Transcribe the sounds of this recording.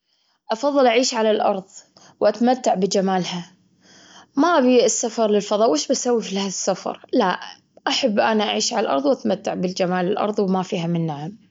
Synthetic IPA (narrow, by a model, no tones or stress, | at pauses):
ʔɑfɑðˤːɨlʔaʕiːʃʕalalʔɑ̰ɾˤðˤ | wʔat̪amat̪ːaʕbɪd͡ʒamaːlha | maʔbiɪsːafɑɾˤlɪlfɑðˤɑːʔwʔeːʃbasawːifilhaːðsːafɑ̰ɾˤla | ʔaħabːʔanaʔaʕiːʃʕalalʔɑ̰ɾˤðˤwʔat̪mat̪ːaʕbɪld͡ʒamaːlɪlʔɑ̰ɾˤðˤwmafiːɦamɪnːaʕam